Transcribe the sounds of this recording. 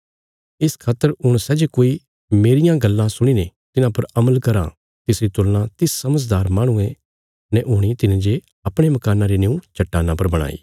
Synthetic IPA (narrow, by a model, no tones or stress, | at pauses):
ɪskʰaːt̪ːəɾɦʊɽ̃sɛd͡ʒekoːi | meːɾɪjãɡɐlːãsʊɽ̃inet̪ɪnãpɐɾɐməlkɐɾã̰ | t̪ɪsɾit̪ʊlnãt̪ɪsːɐməd͡ʒd̪aːɾmãːɽ̃ũe | nɛʔʊɽ̃it̪ɪnẽd͡ʒe | ɐpɽ̃emɐkaːnãɾineũt͡ʃʰɐʈːaːnãpɐɾbɐɽ̃a̰ːḭː